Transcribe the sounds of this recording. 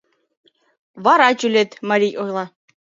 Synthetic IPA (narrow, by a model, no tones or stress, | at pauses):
βɑɾɑt͡ɕylʲet̪mɑɾʲijojlˠɑ